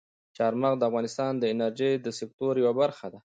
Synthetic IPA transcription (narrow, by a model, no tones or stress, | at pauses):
t͡ʃaɾmaɣd̪əafɣɑnɪst̪ɑnd̪əɪnaɾd͡ʒejd̪əsɪk̚t̪oɾjawabaɾxad̪a